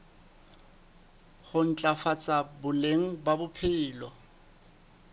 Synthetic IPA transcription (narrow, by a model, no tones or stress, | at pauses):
χʊn̩t͡ɬʼafat͡sʼabʊleŋ̩babʊpʰɪːlɔ